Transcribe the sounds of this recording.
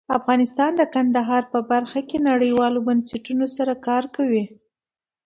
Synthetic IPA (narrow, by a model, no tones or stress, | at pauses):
afɣɑnɪst̪ɑnd̪əkand̪aɦɑɾpəbaɾxakenaɽəjwɑlobanseʈunosaɾakɑɾkawi